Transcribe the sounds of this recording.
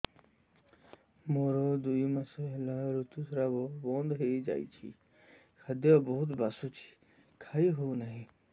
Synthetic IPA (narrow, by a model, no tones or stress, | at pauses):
moɾod̪ujmaselaɾut̪usɾabobõnd̪ɦeid͡ʒa̰ːḭt͡ʃʰḭ | kʰəd̪jabəɦut̪basut͡ʃʰi̥ | kʰaiɦonəɦĩ